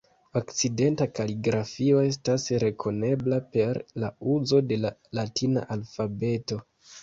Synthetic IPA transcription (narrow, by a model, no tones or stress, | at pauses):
okt͡side̞ntakaliɡɾafio̞e̞s̬tasɾe̞kʰo̞ne̞blape̞ɾlauzo̞de̞lalatʰina̰ʔalfabe̞to̞